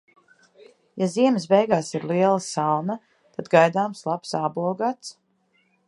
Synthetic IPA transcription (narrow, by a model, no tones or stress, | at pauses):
jaziɛməsbɛjɡaːsiɾliɛlˠasalna | t̪ad̪ɡajd̪aːmslˠapsaːbuɔɡaːt̪s